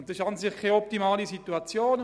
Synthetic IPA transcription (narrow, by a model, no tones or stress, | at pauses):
nd̪ɪʃansɪχkʰːaɔp̚timaːlisit̪uat͡sjoːn